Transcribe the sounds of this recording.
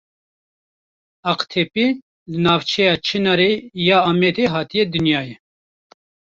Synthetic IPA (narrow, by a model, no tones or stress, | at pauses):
ɑqt̪ʰepi | lɨnɑːvt͡ʃʰɛjɑːt͡ʃʰenɑɾejɑːɑːmɛd̪eɦɑːt̪ijɛd̪ɨnjɑːjɛ